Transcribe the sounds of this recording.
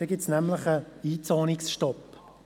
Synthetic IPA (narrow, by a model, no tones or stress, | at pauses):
əɡɪtsnɛmləχəiːt͡sɑːnɪksʃtɔp